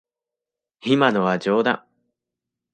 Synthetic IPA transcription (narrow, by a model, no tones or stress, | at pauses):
çimanoβad͡ʑoːd̪ã̰ŋ